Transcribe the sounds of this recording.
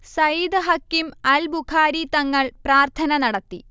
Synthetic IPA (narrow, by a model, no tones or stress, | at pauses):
sɐjid̪ɨɦɐkːimɐlbukʰaːɾit̪ɐŋːɐɭpraːrt̪ʰɐnɐnɐɽɐt̪ːi